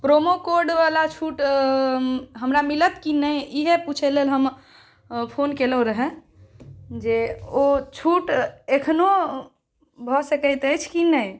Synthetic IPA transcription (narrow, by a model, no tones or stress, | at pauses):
pɾomokoɾɖʋalat͡ʃʰuʈ | ɦəmɾamilət̪kinəjiɦeput͡ʃʰɛlelɦəm | pʰonkeləɾəɦɛ | d͡ʒeot͡ʃʰuʈekʰno | bʱɔsəkəjt̪əjt͡ʃʰkinəj